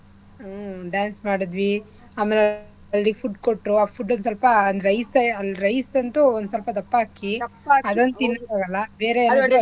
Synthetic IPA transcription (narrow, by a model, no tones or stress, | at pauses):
ɖjaːnsmaːɽid̪ʋi | aːmele | ɐlːipʰuʈkoʈɾuaːpʰuɖːonus̬ɐlpɐːnd̪ɾɐjsɐɐlːɾɐjsɐnt̪uond̪us̬ɐlpɐt̪̬ɐpːaːkiɐd̪ɐnt̪inːɐaːɾɐlːɐbeːɾeɐnːaːd̪u